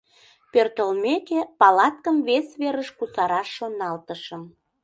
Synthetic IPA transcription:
pørt̪əlmekepɑlɑt̪̚kəmvesβeɾəʃkusɑɾɑʃːonɑlt̪əʃəm

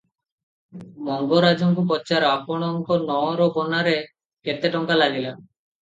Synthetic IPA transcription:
mɔŋɡoɾad͡ʒɔŋkup̬ɔt͡ʃaɾapɔɽ̃ɔŋkɔnɔɾɔbɔnaɾe | ket̪eʈɔŋkalaɡila

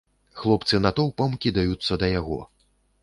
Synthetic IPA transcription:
xlˠɔp̚t̪sɨnat̪ɔwpɐmkʲid̪ajut̪sːɐd̪ɐjaɣɔ̰

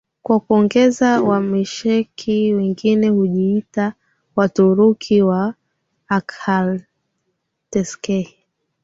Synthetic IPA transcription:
kwakuɔŋɡɛzawamiʃɛkʰiwɛŋɡinɛhuʄiita | watuɾukʰiwaː | kʰal | tɛskɛhi

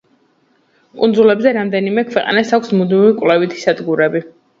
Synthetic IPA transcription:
kʼund̪zulɛbzɛɾamd̪ɛnimɛkʰvɛqʼa̰nasakʷʰsmud̪mivikʼwlɛvit̪ʰi̥sad̪ɡuɾɛbi

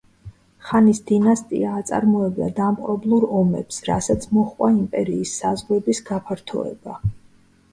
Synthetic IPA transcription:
χanisd̪̥inast̪ʼḭaːt̪sʼa̰ɾmɔɛbd̪a̰d̪amqʼɾɔblˠuɾɔmɛ̰psɾa̰sat̪sʰmɔχʼwaimpʼɛɾiːsːazʁwɛbisɡapʰaɾt̪ʰɔ̰ɛ̰ba

